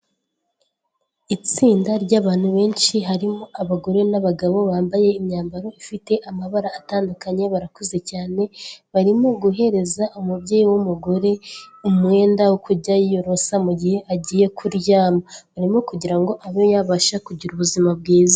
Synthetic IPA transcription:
it͡siːndaɾɟaːβaːn̥huβe̞ːnʃiɦaɾimo̞ʔaβaɡo̞ɾe̞naβaɡaβo̞βaːmbaje̞imɲaːmbaɾo̞ifite̞ʔamaβaɾaːtaːndukaɲe̞βaɾakoze̞caːne̞βaɾimoɡuɦe̞ɾe̞zaʔumubɟeːjiwomuɡo̞ɾe̞umŋe̞ːndawokuɟajijoɾo̞samuɟihe̞ʔaɟiːje̞kʰuɾjaːmaβaɾimokuɟiɾaŋɡo̞ʔaβojaβaʃakuɟiɾuβuzimab̚ɡiːza

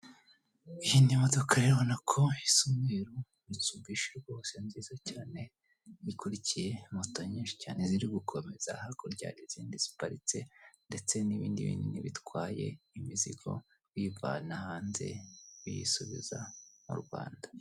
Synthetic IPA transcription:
ijinimodo̞kʰaɾeβonakʰo̞isumweːɾu | ɾitub̚ɡiːʃeɾɡo̞ːse̞nziːzocaːne̞ | ikuɾicije̞motoɲĩːʃi̥caːne̞ziɾiɡukʰo̞me̞z̥a̰hakoɾɟa̰ːɾiziːndiz̥i̥paɾit͡se̞nde̞t͡se̞niβḭːndḭβḭːndiniβitwaːje̞̰imizḭɡo̞̰ | wiva̰nahaːnze̞̰βijḭsuβḭza̰mṵɾɡwa̰ːndḁ

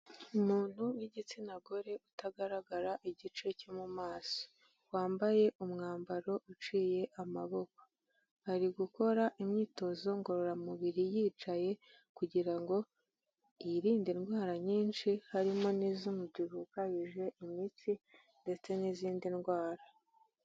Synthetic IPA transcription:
umuːn̥huwiɟit͡sinaɡo̞ɾe̞utaɡaɾaɡaɾaʔiɟit͡ʃe̞comumaːso̥ | waːmbaje̞ʔumŋaːmbaɾo̞ʔut͡ʃiːje̞ʔama̰βo̞ko̥ | haɾiɡuko̞ɾaʔimɲiːto̞zo̞ŋɡo̞ɾo̞ɾamuβiɾijiːt͡ʃaje̞ | kuɟiɾaŋɡo̞ | iɾiːndinɡwaːɾaɲiːnʃihaɾimonizumubɟuɾukajiʒe̞ʔimit͡si | nde̞t͡se̞niziːndinɡwaːɾa

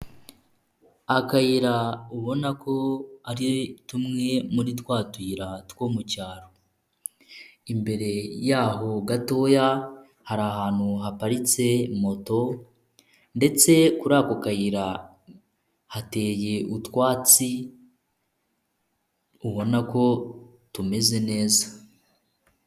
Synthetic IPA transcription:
akajiɾauβo̞nakʰo̞aɾitumŋe̞muɾitwaːtwiːɾatwo̞ːmucaːɾo | imbe̞ɾe̞jaːɦo̞ɡato̞ja | haɾaɦaːn̥huɦapaɾit͡se̞mo̞to̞ | nde̞t͡se̞kuɾakokajiɾa | hate̞ːje̞ʔutwaːt͡si | uβo̞nako̞ | tume̞ze̞ne̞ːza

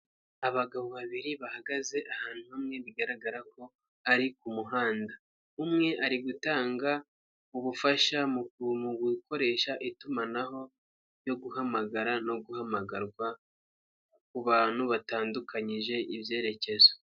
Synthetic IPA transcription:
aβaɡaβoβaβiɾiβahaɡaze̞ʔahaːn̥uumŋe̞βiɡaɾaɡaɾako̞ | aɾikumuɦaːnda | umŋe̞ʔaɾiɡutaːŋɡa | uβufaʃamumuɡwiko̞ɾe̞ːʃaʔitumanaho̞ | jo̞ɡuɦamaɡaɾano̞ɡuhamaɡaɾɡwa | kuβan̥uβataːndukʰaɲiʒe̞ʔibje̞ːɾe̞ce̞zo̥

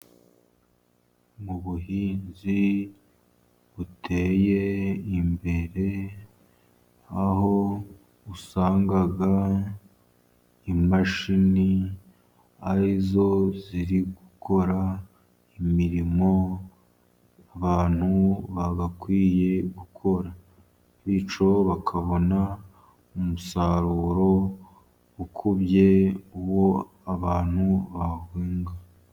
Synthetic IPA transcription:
muβuhiːnzi | βutʰeje̞imbe̞ɾe̞ | aɦo̞ | usaːŋɡaɡa | imaʃini | aɾizo̞ziɾiɡuko̞ɾa | imiɾimo̞ | aβaːn̥huβaβakwiːje̞ɡukʰo̞ɾa | βit͡ʃo̞βakʰaβo̞na | umusaɾuːɾo̞ | ukʰubje̞wo | aβaːn̥huβahwiːŋɡa

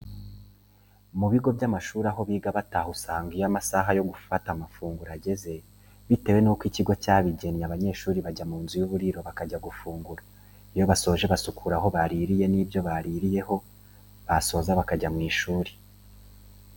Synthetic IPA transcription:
muβiɡo̞bjamaʃuːɾaɦo̞βiːɡaβataːhusaːŋɡijamasaɦajo̞ɡufatamafuːŋɡuɾaɟe̞ze̞ | βite̞we̞nuːkwiciɡo̞caːβiɟe̞niaβaɲe̞ːʃuːɾiβaɟamuːnzujuβuɾiɾo̞βakaɟaɡufuːŋɡuɾa | ijo̞βaso̞ʒe̞βasukʰuɾaho̞βaɾiːɾije̞nibjo̞βaɾiɾije̞ɦo̞ | βaso̞ːzaβakaɟamŋiːʃuːɾi̥

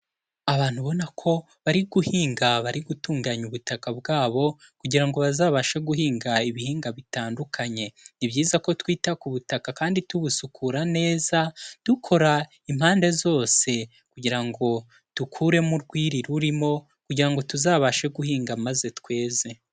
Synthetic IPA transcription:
aβaːn̥huβo̞nakʰo̞ | βaɾiɡuhiːŋɡaβaɾiɡutuːŋɡaɲuβutakabɡaːβo̞ | kuɟiɾaŋɡo̞βazaːβaʃeɡuɦiːŋɡaiβihiːŋɡaβitaːndukʰaɲe̞nibɟiːzako̞twiːtakuβutakakaːndituβusukʰuɾane̞ːzad̥ukʰo̞ɾa | im̥haːnde̞zo̞ːse̞ | kuɟiɾaŋɡo̞ | tukʰuɾe̞muɾɡwiːɾiɾuɾimo̞ | kuɟiɾaŋɡo̞tuzaːβaʃe̞ɡuhiːŋɡamaze̞twe̞ːze̞

